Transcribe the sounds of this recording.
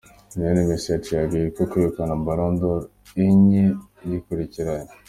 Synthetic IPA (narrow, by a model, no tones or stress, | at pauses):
nenemesiat͡ʃijaɡiɾikokiɾukanambaɾondoɾ | iɲe | jikuɾiciɾaɲe